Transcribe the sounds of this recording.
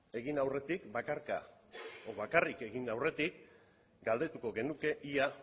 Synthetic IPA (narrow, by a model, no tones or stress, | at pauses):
e̞ɣinawre̞t̪ikbakaɾka̰oβakarike̞ɣinawre̞t̪ik | ɡald̪e̞t̪uko̞ɣe̞nuke̞ʔia